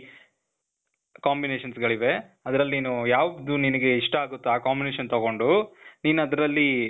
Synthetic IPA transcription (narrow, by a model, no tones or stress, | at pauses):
kaːmbineːʃɐnsɡɐɭiʋe̞ɐd̪ɐɾɐlːiːnujaːʋd̪uninɐɡe̞iʂʈɐaːɡut̪ːeaːkaːmbineːʃɐnt̪ɐɡo̞ɳɖuniːnuɐd̪ɐɾɐlːi